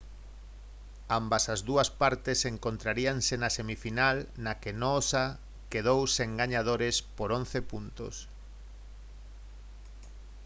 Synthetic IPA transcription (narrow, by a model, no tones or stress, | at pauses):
ambɐsɐzðuɐspaɾt̪eseŋkont̪ɾaɾiaŋsenɐsemifinalnɐkenɔsa | keð̞owseŋɡaɲað̞oɾespoɾonθepunt̪o̰s